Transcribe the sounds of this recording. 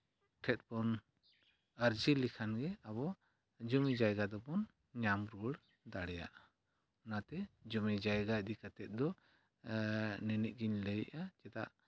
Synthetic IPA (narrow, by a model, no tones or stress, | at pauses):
ʈʰɛt̪̚bɔn | əɾd͡ʒilikʰanɡɛabɔ | d͡ʒɔmid͡ʒajɡad̪ɔpɔn | ɲamɾuɽ | d̪aɽɛja̰ʔa | nat̪ɛd͡ʒɔmid͡ʒajɡad̪ikat̪ɛt̪̚d̪ɔ | nɛnɛʔ̪̚ɡiɲləjʔat͡ʃɛt̪a̰ʔ